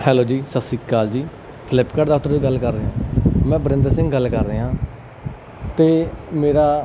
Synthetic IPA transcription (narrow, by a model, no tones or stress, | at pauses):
hɛːloːd͡ʒiːsəsiːkaːld͡ʒiː | pʰlɪpkəɖd̪aːɦʊt̪əɾiːɡəlkəɾːeːɦãːmɛ̃ːbəɾɪ̃nd̪əɾsɪ̃ŋɡɡəlːkəɾːeːɦãː | t̪eːmeːɾaː